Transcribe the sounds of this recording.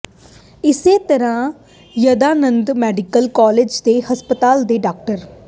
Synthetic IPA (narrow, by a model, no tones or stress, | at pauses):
ɪseːt̪əɾãː | jəd̪aːnənd̪mɛːɖɪkəlkaːled͡ʒd̪eːhəspət̪aːld̪eːɖaːk̚ʈəɾ